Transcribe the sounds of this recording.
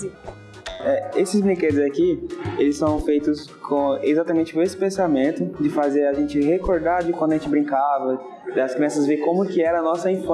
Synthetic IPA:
ɛesɪzblĩkeɾʊzakielɪsːɐ̃w̃fejt̪ʊs | kʰõezat̪amẽnt͡ʃɪõesɪ̥pẽsamẽnt̪ʊd͡ʒɪfazeɾaʒẽnt͡ʃɪɦekoɾd̪aɾd͡ʒɪkw̃d̪ʊɐʒẽt͡ʃɪbɾĩŋkavɐ | ɐskɾiẽsɐzveɾkõmʊkɪɛɾɐːnɔsɐĩf

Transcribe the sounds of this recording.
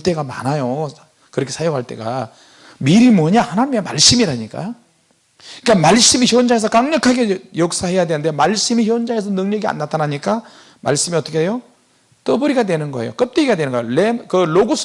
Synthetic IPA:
t͈e̞ɡama̰najo | kɯɾʌkʰe̞sʰajoŋɦaɭt͈e̞̰ɡa̰ | miɾimwʌɲahanaɲimemaɭs͈ɯmiɾaɲik͈a̰ | ik͈amaɭs͈ɯmiçjond͡ʑaŋes̬ʰʌk͈aŋɲʌkʰaɡejʌk̚s͈ahe̞jadwenɯnde̞maɭs͈ɯmiçjond͡ʑaŋes̬ʰʌnɯŋɲʌɡia̰nːatʰanaɲik͈a | ma̰ɭs͈ɯmiʌt͈ʌkʰeejo | t͈ʌbʌɾiɡadwenɯnɡʌḛjo̰k͈ʌp̚t͈eiɡadwe̞nɯnɡajlekɯloɡosʰ

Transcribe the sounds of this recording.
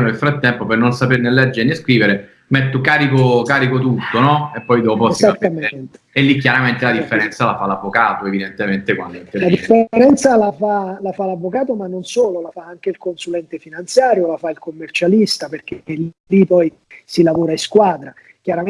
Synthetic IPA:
nonelfɾat̪ːɛmpopernonsapernelɛd͡ʒːeɾneskɾiːveɾe | met̪ːokaːɾikokaːɾikot̪ut̪ːonɔepːɔjd̪ɔpozat̪ːament̪e̥elːikːjaɾament̪elad̪ifːeɾɛnt̪salafalavːokaːt̪oevid̪ent̪ement̪ekwa̰nd̪oint̪elad̪ifːeɾɛnt̪salafalafalavːokaːt̪omanːonsoːlolafaaŋk̟eilkonsulɛnt̪efinant̪sjaːɾjolafailkomːert͡ʃalist̪aperk̟eellipɔj | silavoːɾaiskwaːd̪ɾa | k̟jaɾa

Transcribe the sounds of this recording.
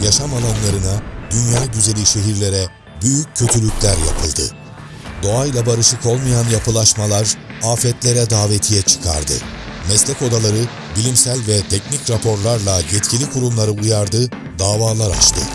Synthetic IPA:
jaʃamalˠanlˠaɾɯnad̪ynjaːɟyze̞lʲiʃe̞ɦiɾlʲe̞ɾɛ | byjycʰːøt̪ʰylʲycʲlʲæɾja̰pʰɯlˠd̪ɯ̰ | d̪o̞ajlˠabaɾɯʃɯkʰo̞lˠmajanjapʰɯlˠaʃmalˠaɾaːfɛt̪lʲeɾɛd̪aːve̞t̪ʰijɛt͡ʃʰɯ̥kʰa̰ɾd̪ɯ̰ | mɛslʲɛco̞d̪alˠaɾɯ | bilʲimsælʲvɛt̪ʰɛcnicɾapʰo̞ɾlˠaɾlˠajɛt̪cʰilʲikʰuɾumlˠaɾɯujaɾd̪ɯ | d̪aːvaːlˠaɾa̰t͡ʃt̪ʰɯ̰

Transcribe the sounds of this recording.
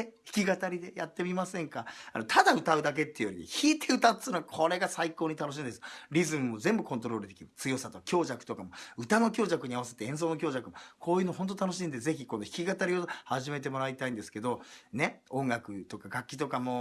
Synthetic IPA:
çi̥kʲiɡat̪aɾʲid̪e̞jat̪ːe̞mʲimasẽ̞ŋkaa̰not̪ʰad̪aɯ̟t̪aɯ̟d̪ak̬e̞t̪ːejoɾiḛçiːt̪ʰe̞ɯ̟t̪ḁɨnoakʰo̞ɾe̞ɡasaiko̞ːɲ̟it̪ano̞ɕ̬ĩːnd̪esɾʲizɨmɯmːo̞zẽ̞mbɯ̟kõ̞nt̪o̞ɾo̞ːɾɯ̟d̪e̞kʲiɾɯ̟t͡sɨjo̞sat̪o̞kakʲo̞ːʑakɯ̟̥t̪o̞kamo̞ɯ̟t̪ano̞kʲo̞ːʑakɯ̟ɲ̟iaβase̞̥t̪eẽ̞s̬o̞ːno̞kʲo̞ːʑakɯ̟mokʰo̞ːjɯnoɦõ̞nt̪ot̪ano̞ɕ̬ĩnd̪eze̞çiko̞noçʲi̥kʲiɡat̪aɾʲio̞haʑime̞t̪̬e̞mo̞ɾait̪aĩnd̪e̞sɨ̥ke̞d̪o̞ne̞õ̞ŋɡakɯ̟t̪o̞kaɡakʲːit̪o̞kamo̞

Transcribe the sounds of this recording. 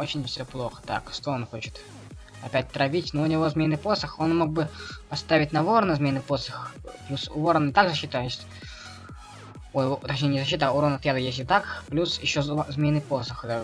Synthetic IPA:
ot͡ɕɪnʲfsʲoplˠo̞xə̥t̪a̰kʂt̪oonxo̞t͡ɕɪt̪ | ɐpʲæt̚ʲt̪ɾɐvʲitʲnoʊnʲɪvo̞zmʲenːɨpo̞səxo̞nmo̞ɡ̚bɨpɐst̪avʲɪtʲnɐvoɾnəzmʲenɨpo̞səxplʲusʊvoɾənɪt̪aɡzəɕːit̪ajɪsʲ | ojt̪ɐt͡ɕʲnʲenʲɪzɐɕ̬ːit̪auɾonɐt̪jad̪əjesʲt̪ʲɪt̪akplʲusjɪɕːozmʲenːɨpo̞səxə

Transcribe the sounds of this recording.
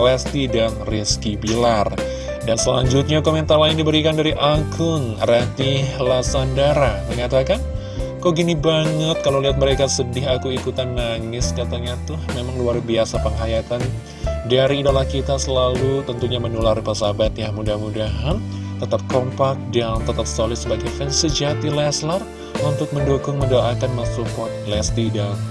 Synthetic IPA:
lɛst̪idanriskibilar | dansəla̰ɲd͡ʒʊt̪̚ɲakoment̪arlaɪndibəɾikandaɾiʔakʰʊŋrat̪ilasandaɾaməŋat̪akan | koɡinibaŋət̪̚kaloliɦat̪̚məɾekasədɪɦakuikut̪anːaŋɪskat̪aɲat̪ʊhmemaŋluarbiasapəŋɦajat̪an | daɾiːdalahkit̪asəlalut̪ənt̪uɲamənularpəsabat̪jamudahmudaɦant̪ət̪ap̚kɔmpak̚daŋt̪ət̪ap̚solɪt̪səbaɡajfɛŋsəd͡ʒat̪ilɛslər | unt̪ʊk̚məndukʊŋməndoʔakanmasupɔt̪̚lɛst̪idaŋ

